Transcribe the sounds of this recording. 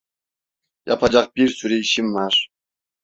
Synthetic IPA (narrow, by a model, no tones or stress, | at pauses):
jɑ̰pʰɑd͡ʒɑq̚biɾsyɾejiʃimːɑɾ